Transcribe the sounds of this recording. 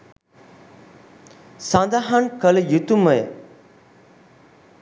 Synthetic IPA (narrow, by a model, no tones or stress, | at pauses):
sãnd̪aɦankəljut̪uməj